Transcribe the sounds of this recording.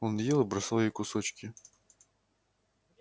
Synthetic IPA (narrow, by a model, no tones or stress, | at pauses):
ɔnjɛlˠɨbɾɐslˠɔjikʊsɔt͡ɕkʲɪ